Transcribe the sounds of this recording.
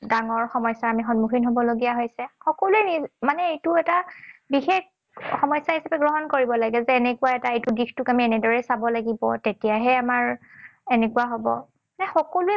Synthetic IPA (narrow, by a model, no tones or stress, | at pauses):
daŋɔɹxɔmɔjsaamixɔnmuxʰinɦobɔloɡijaɦojsɛxɔkɔluɛnimanɛejtʊɛtabixex | xɔmɔjsaɦisapɛɡɹɔɦɔnkoɹibɔlaɡɛzɛːnɛkʊwaɛtaejtʊɡixtʊkamiɛnɛdɔɹɛsabɔlaɡibɔtetijaɦɛamaɹɛnɛkʊwaɦobɔ̰ | manɛxɔkoluɛ